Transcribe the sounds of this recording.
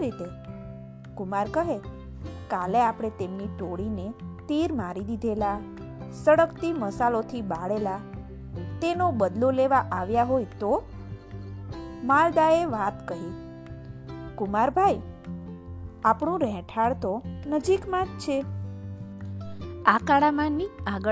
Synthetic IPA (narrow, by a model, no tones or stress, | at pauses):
ɾit̪e | kʊmaɾkəɦe | kaleapɽ̃et̪emniʈoɽinet̪iɾmaɾid̪id̪ʱela | səɽəkt̪iməsalot̪ʰibaɽela | t̪enobəd̪loleʋaʔaʋjaɦojt̪o | mald̪aeʋat̪kəɦi | kumaɾbʱaj | apɳũɾɛ̃ʈʰaɭt̪onəd͡ʒikmãd͡ʒt͡ʃʰe | akaɽamanːiaɡə